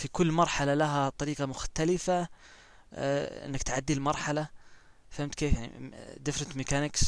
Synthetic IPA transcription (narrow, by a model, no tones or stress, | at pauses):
fikʊlːmɑɾˤħalalaɦat̪ˤɑɾiːqɑmʊxt̪alɪfa | ɪ̰nːɪkt̪ʕad̪ːilmɑɾˤħala | fhɪmt̪keːfjaʕnḭd̪ɪfɾɑnt̪mɪkanɪks